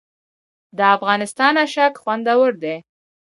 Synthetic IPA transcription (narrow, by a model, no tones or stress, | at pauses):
d̪əafɣɑnɪst̪ɑnaʃakxwand̪awəɾd̪e